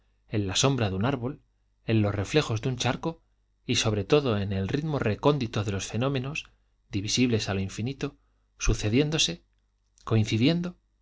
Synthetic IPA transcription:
e̞nlaso̞mbɾaðunaɾβo̞l | e̞nlo̞sre̞fle̞xo̞zðeunt͡ʃaɾko̞ | iso̞βɾe̞t̪o̞ðo̞e̞ne̞lrit̪more̞ko̞nd̪it̪o̞ðe̞lo̞sfe̞nõ̞mẽ̞no̞s | d̪iβisiβle̞saloiɱfinit̪o̞ | suθe̞ðje̞nd̪o̞se̞ | ko̞in̟θiðje̞nd̪o̞

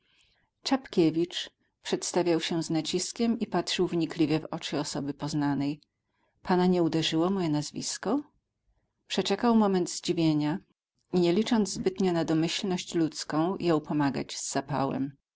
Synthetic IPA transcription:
t͡ʂapkʲevʲit͡ʂ | pʂɛt̪st̪avʲjawɕɛznat͡ɕiskʲɛmipat̪ʂɘwvɲiklʲivʲjɛvɔ̰t͡ʂɘɔsɔbɘpɔznanɛj | panaɲɛud̪ɛʐɘwɔmɔjɛnazvʲḭskɔ | pʂɛt͡ʂɛkawmɔmɛnd̪zd͡ʑivʲjeɲa | iɲɛlʲit͡ʂɔnd̪zzbɘt̪ɲɛnad̪ɔmɘɕlnɔɕt͡ɕlut̪skɔ̃w̃jɔ̃wpɔmaɡa̰d͡ʑz̥ːapa̰wɛ̰m

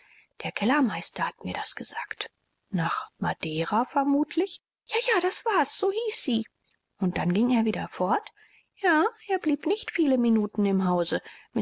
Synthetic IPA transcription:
d̥eːɐkʰɛlɐmaɪstɐhatmiːɐdasɡ̥əz̥aːkt | naːχmad̥ɛːʁafɛɐmuːtʰlɪç | jaːjaːdasv̥aːɐsz̥oːhiːsz̥iː | ʔʊnt̚d̥anɡɪŋeːɐviːdɐfɔɐt | jaːʔeːɐbliːpnɪçtfiːləminuːtn̩ɪmɦaʊzəmɪ

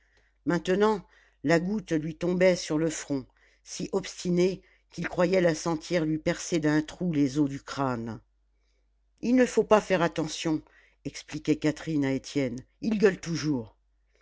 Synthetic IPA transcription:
mɛ̃t̪ənɑ̃ | laɡut̪lɥit̪ɔ̃bɛsyʁləfχɔ̃ | siʔɔpst̪ine | kʲilkχwajɛlasɑ̃t̪jɛʁlɥipɛʁsed̪ɛ̃t̪χulezod̪ykχan | ilnəfopafɛʁat̪ɑ̃sjɔ̃ | ɛksplikʲɛkat̪χinaet̪jɛn | ilɡœlt̪uʒuːʁ

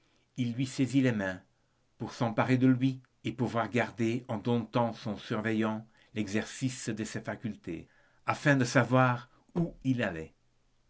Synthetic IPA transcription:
ilːɥisezilemɛ̃ | puʁsɑ̃paʁed̪əlɥi | epuvwaʁɡaʁd̪eɑ̃d̪ɔ̃t̪ɑ̃sɔ̃syʁvɛjɑ̃ | lɛɡzɛʁsisd̪əsefakʲylt̪ḛ | afɛ̃d̪əsavwaʁ | uilalɛ

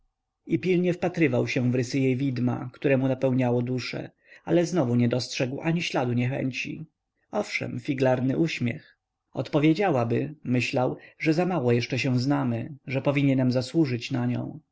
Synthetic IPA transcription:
ipʲilɲɛfpat̪ɾɘvawɕɛ̃vɾɘsɘjejvʲid̪ma̰kt̪uɾɛmunapɛwɲawɔd̪uʂɛ̰ | alɛznɔvuɲɛd̪ɔstʂɛɡwʔaɲiɕlad̪uɲɛxɛ̰ɲt͡ɕḭ | ɔfʂɛ̰mfʲiɡlaɾnɘʔuɕmʲjɛ̰x | ɔt̪pɔvʲjed͡ʑawabɘmɘɕlawʐɛzamawɔjɛʂt͡ʂɛɕɛ̃znamɘʐɛpɔvʲiɲɛnɛmzaswuʐɘt͡ɕnaɲɔ̰̃w̃

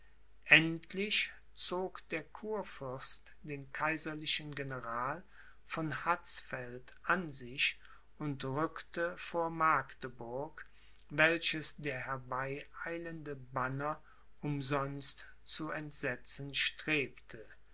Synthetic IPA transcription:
ʔɛntʰlɪç | t͡soːkd̥eːɐkʰuːɐfʏɐst | d̥eːnkʰaɪzɐlɪʃənɡenəʁaːl | fɔnhat͡sfɛltʔanzɪç | ʔʊntʁʏktəfoːɐmaɐktəbʊɐk | vɛlʃəsd̥eːɐhɛɐbaɪaɪləndəbanɐ | ʔʊmzɔnst | t͡suɛntz̥ɛt͡sən̩ʃtʁ̥eːptʰə

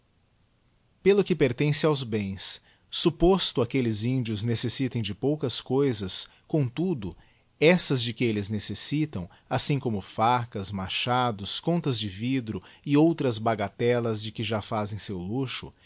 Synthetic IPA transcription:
pelʊkɪpeɾt̪ẽsɪawzbẽj̃sː | upost̪ʊakelɪzĩnd͡ʒiʊznesesit̪ẽj̃d͡ʒɪpowkɐskojzɐs | kõt̪ud̪ʊ | ɛsɐzd͡ʒɪkɪelɪznesesit̪ɐ̃w̃ | asĩkõmʊfakɐzmaʃad̪ʊskõnt̪ɐzd͡ʒɪvid̪ɾʊɪowt̪ɾɐzbaɡat̪ɛlɐzd͡ʒɪkɪʒafazẽj̃sewluʃʊ̰

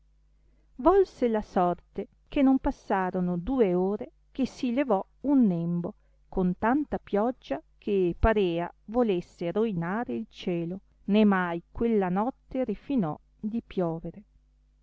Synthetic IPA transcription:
vɔlselasɔrt̪e | kenompasːaːɾonod̪uːeoːɾe | kesilevɔ | unːembo | kont̪ant̪apjɔd͡ʒːakʰepaɾɛːa̰volesːeɾoinaːɾeilt͡ʃɛːlo | nemajkwelːanɔt̪ːeɾifinɔ̰ | d̪ipjɔːveɾe

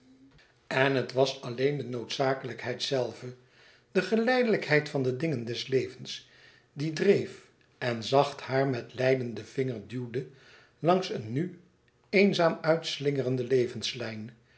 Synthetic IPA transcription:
ɛnɦətʋɑsɑlejndənowtsaːkələkɦɛjtsɛlˠvə | d̥əχəlɛjdələkɦɛjtfɑndədɪŋəndɛslejvəns | didrejf | ʔɛnzɑχthaːɹmɛtlɛjdəndəv̥ɪŋəɹdywdə | lɑŋsənːy | ejnzaːmœɥtslɪŋərəndəlejvənslɛjn

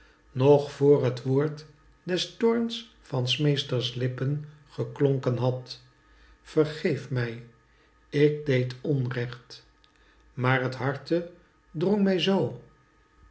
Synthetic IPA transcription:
nɔχfʊːɹɦətʋoːɹt | dɛstʊɹns | fɑnsmejstəɹslɪpənχəklɔŋkənɦɑt | fəɹχejfmɛj | ɪk̚dejtɔnrɛχt | maːɹɦətɦɑɹtə | drɔŋmɛjzow

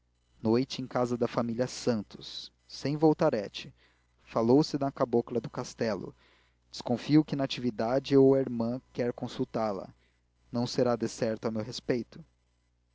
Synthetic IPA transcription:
nojt͡ʃɪẽj̃kazɐd̪ɐfamiliɐsɐ̃nt̪ʊ̥sː | ẽj̃vowt̪aɾɛt͡ʃɪ̥ | falowsɪd̪ɐkaboklɐd̪ʊkast̪ɛlʊ̰ | d͡ʒɪ̥skõfiʊkɪnat͡ʃivid̪ad͡ʒɪowɐiɾmɐ̃kɛɾkõsuwt̪aɾlɐ̰ | nɐ̃w̃seɾad̪esɛɾt̪ʊawmewɦespejt̪ʊ̥

